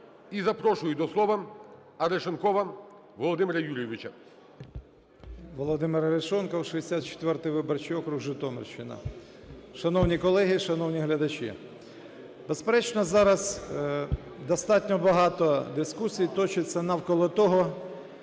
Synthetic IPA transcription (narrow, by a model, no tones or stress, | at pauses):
izɐpɾɔʃʊjʊd̪ɔslˠɔʋɐ | ɐɾeʃɔnkɔʋɐ | ʋɔlˠɔd̪ɪmeɾɐjuɾʲjeʋʲɪt͡ʃɐ | ʋɔlˠɔd̪ɪmeɾɐɾeʃɔnkɔwʃɔesʲat̪̚t͡ʃe̥t̪ʋɛrt̪ɪjʋɪbɔrt͡ʃijɔkɾuɦʒɪt̪ɔmḛrʃɪnɐ̰ | ʃɐnɔwnʲikɔlˠɛɦɪʃɐnɔwnʲiɦlʲɐd̪ɐt͡ʃḭ | bespeɾɛt͡ʃnɔzɑɾɐz | d̪ɔst̪ɑtʲnʲɔbɐɦɑt̪ɔd̪ɪskusʲijt̪ɔt͡ʃɪt͡sʲːɐnɐwkɔlˠɔt̪ɔɦɔ